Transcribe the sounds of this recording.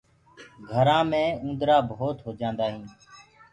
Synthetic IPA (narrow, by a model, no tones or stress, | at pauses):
ɡʱəɾãːmẽːũːnd̪ɾaːbɦoːt̪ɦoːd͡ʒãːnd̪aːɦĩː